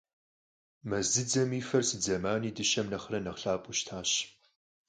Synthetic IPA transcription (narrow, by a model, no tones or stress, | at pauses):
mɐzɨd͡zɐmiːfɐrsɨd͡zɐmaːniːdɨʃɐmnɐχrɐnɐχɬaːpʼuʃtʰaːɕ